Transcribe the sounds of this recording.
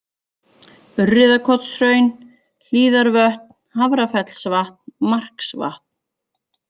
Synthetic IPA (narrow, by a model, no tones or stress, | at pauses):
ʏrːɪðakʰɔt̪sɾœːɥn | l̥iːðaɾvœht̪̚nhavɾafɛt̪l̥svaht̪̚nmar̥ksva̰ht̪̚n